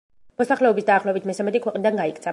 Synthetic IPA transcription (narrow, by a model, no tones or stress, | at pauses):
mɔsaχlɛɔbisd̪aːχlɔbit̪ʰmɛsamɛt̪ikʰwɛqʼnid̪anɡaikt̪sʰa